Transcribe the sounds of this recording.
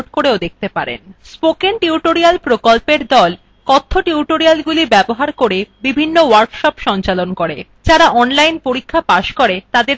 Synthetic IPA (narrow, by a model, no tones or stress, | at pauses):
ʈkoɾeod̪ek̚ʰt̪epaɾḛnspokenʈiuʈoɾialpɾokolpeɾd̪ɔl | kɔt̪ʰːoʈiuʈoɾialɡulibɛboɦaɾkoɾebibʱinːowaɾkʃɔpʃɔnt͡ɕalonkoɾe | d͡ʑaɾaʔɔnlajnpoɾikʰːapaʃkoɾet̪ad̪eɾ